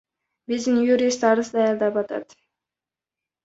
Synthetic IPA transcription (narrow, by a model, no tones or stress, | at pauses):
bizd̪ɪnjuɾist̪ɑɾəsd̪ɑjɑɾˠd̪ɑpɑt̪ɑ̰t̪